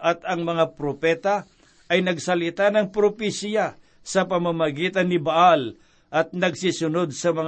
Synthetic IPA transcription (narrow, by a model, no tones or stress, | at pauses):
ʔɐt̪ɐŋmɐŋapɾopɛt̪ɐ | ɐjnɐɡsɐlɪt̪anɐŋpɾopisja | sɐpɐmamɐɡiːt̪ɐnːɪbaʔal | ʔɐt̪̚nɐɡsisʊnod̪̚sɐmɐŋ